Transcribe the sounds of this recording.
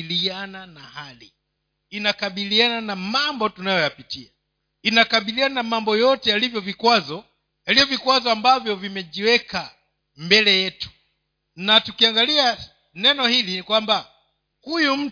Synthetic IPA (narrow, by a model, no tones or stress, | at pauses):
liananahali | inakaɓiliananamambɔtunajɔjapitia | inakaɓiliananamambɔjɔtɛjalivjɔvikwazɔ | jalijɔvikwazɔambavjɔvimɛʄiwɛkʰa | mbɛlɛjɛtu̥ | natukiaŋɡalia | nɛnɔhilinikwamba | hujum̩